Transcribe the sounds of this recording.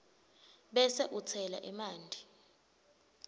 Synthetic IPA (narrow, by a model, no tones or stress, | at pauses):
ɓɛsɛʔut͡sʰɛla̰ʔimaːndʱi